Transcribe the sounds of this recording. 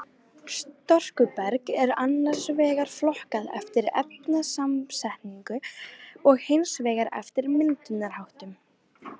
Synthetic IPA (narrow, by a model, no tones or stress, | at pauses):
st̪ɔr̥kʏpɛɾkɛɾanːaɾ̥svɛːɣaɾ̥flɔhkaðɛ̰ft̪ɪɾɛ̰p̚nasamsɛhniŋkʏɔɣhejnsvɛːɣaɾɛ̰ft̪ɪɾmɪnt̪ʏnaɾ̥hawht̪ʏm